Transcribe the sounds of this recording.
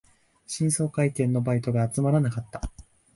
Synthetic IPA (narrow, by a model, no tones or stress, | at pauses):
ɕĩɰ̃so̞ːkait̪ẽ̞nːo̞bait̪o̞ɡaːt͡sɨmaɾanakat̪ːḁ